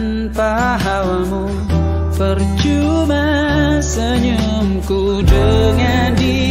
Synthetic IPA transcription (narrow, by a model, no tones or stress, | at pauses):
n | pa | ɦawamu | pərt͡ʃuma | səɲu | mku | dəŋandi